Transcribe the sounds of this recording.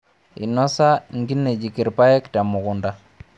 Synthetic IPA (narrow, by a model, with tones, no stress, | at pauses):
ḭ˨nɔ˦sa˦ŋɡi˦ne˨d͡ʒi˨ki˨ɾpa˦ɛ˦kta˨mʊ˨kʊ˨nda˦